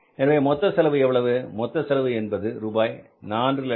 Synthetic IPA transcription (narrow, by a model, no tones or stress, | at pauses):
ɛnɐʋeːmɔt̪ːɐsɛlɐʋɯɛʋːɐɭɐʋɯmɔt̪ːɐsɛlɐʋɯɛnbɐðɯɾuːbaːj | naːndrɪlɛ